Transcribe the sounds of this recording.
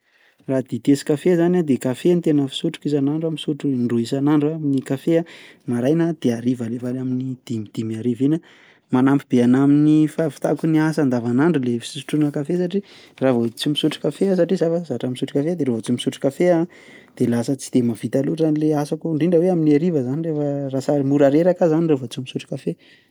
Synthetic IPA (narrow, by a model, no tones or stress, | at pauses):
rad̪it̪esi̥kafezanad̪ekafent̪enəfi̥suʈ͡ʂu̥kizanaɳɖ͡ʐamisuʈ͡ʂunɖ͡ʐuisanaɳɖ͡ʐuaminikafea | maɾajnad̪̥eaɾivalevalaminid̪̥imid̪̥imiaɾivinə | manampib̥eanaminifavi̥t̪akuniasand̪avanaɳɖ͡ʐulefi̥susuʈ͡ʂunəkafes̬aʈ͡ʂi | ravot͡siumisuʈ͡ʂu̥kafeas̬aʈ͡ʂizafəsaʈ͡ʂamisuʈ͡ʂu̥kafead̪eɾovot͡siumisuʈ͡ʂu̥kafea | d̪̥elasət͡si̥d̪̥emavit̪aluzanileasakuɳɖ͡ʐiɳɖ͡ʐəweaminiaɾivəzanirefərasamuɾaɾeɾakazanirofot͡siumisuʈ͡ʂu̥kafe